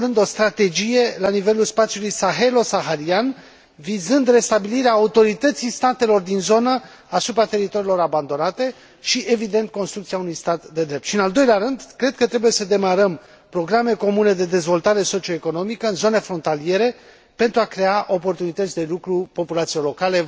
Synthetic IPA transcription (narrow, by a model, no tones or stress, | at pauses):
ɾɨnd̪o̞st̪ɾat̪e̞d͡ʒije̞lanive̞lulspat̪siulujsaɦe̞lo̞saɦaɾian | vizɨnd̪re̞st̪abiliɾeaːut̪o̞ɾit̪ət̪sist̪at̪e̞lo̞rd̪inzo̞nə | asupɾat̪e̞ɾit̪o̞ɾilo̞ɾaband̪o̞nat̪e̞ | ʃiʔe̞vid̪e̞nt̪̚ko̞nst̪ɾukt̪iaunujst̪at̪d̪e̞d̪ɾept̪ʃiɨnald̪o̞jleaɾɨnd̪kɾe̞d̪̚kət̪ɾe̞buje̞səd̪e̞maɾəm | pɾo̞ɡɾame̞ko̞mune̞d̪e̞d̪e̞zvo̞lt̪aɾe̞so̞t͡ʃio̞eko̞no̞mikəɨnzo̞ne̞fɾo̞nt̪alije̞ɾe̞ | pe̞nt̪ɾuakɾe̞aʔo̞po̞rt̪unit̪ət̪sʲd̪e̞lukɾupo̞pulat̪sielo̞kale̞